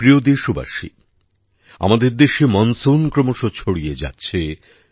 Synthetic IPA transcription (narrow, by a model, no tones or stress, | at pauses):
ɾiod̪iʃuba̰ʃḭ | a̰mad̪eɾd̪eʃemɔnsonkɾomoʃot͡ɕʰoɽied͡ʑa̰tːɕʰe